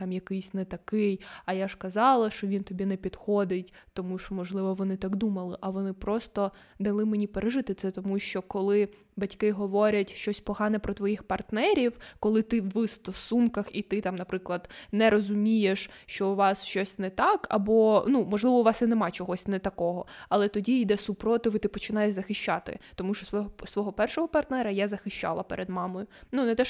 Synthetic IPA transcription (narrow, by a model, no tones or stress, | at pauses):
t̪ɑmjɐkɪjsʲnɛt̪ɐkɪjɐjaʂkɐzɑlˠɐʃt͡ʃɔʋʲint̪ɔbʲinɛpʲid̪xɔd̪ɪtʲt̪ɔmuʃɔmɔʒlˠɪʋɔʋɔnɪt̪ɑɡd̪umɐlˠɪʔɐʋɔnɪpɾɔst̪ɔ | d̪ɐlˠɪmenʲipeɾeʒɪt̪ɪt̪sɛt̪ɔmuʃt͡ʃɔkɔlˠɪ | bɐtʲkɪɦɔʋɔɾʲɐtʲʃt͡ʃɔsʲpɔɦɑnɛpɾɔt̪ʋɔjixpɐrt̪nɛɾʲiwkɔlˠɪt̪ɪwːɪst̪ɔsunkɐxit̪ɪt̪ɑmnɐpɾɪklˠɐd̪̥nɛɾɔzʊmʲijeʃʃt͡ʃɔuʋɑsʃt͡ʃɔsʲnɛt̪ɑkɐ̰bɔnumɔʒlˠɪʋɔʊʋɑsinɛmɑt͡ʃɔɦɔsʲnɛt̪ɐkɔɦɔɐlˠɛt̪ɔdʲiːd̪ɛsʊpɾɔt̪ɪʋit̪ɪpɔt͡ʃɪnɑjeʃzɐxɪʃt͡ʃːɑt̪ɪ̰t̪ɔmuʃt͡ʃɔssʋɔɦɔpɛrʃɔɦɔpɐrt̪nɛɾɐjazɐxɪʃt͡ʃɑ̰lˠɐpɛɾʔed̪mɑmɔjʊnunɛt̪ɛʃ